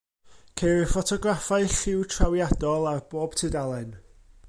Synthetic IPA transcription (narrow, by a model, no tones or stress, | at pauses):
kʰejɾɪfɔtʰɔɡrafaɨɬɪwtʰrawjadɔlˠarb̥oːb̥tʰɨdalˠɛn